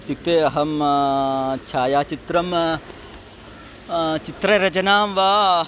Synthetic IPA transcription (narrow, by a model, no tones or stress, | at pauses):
t̪juk̚t̪eːɐɦɐm | t͡ʃʰaːjaːt͡ʃit̪ɾɐm | t͡ʃit̪ɾɐɾɐt͡ʃɐnaːmʋa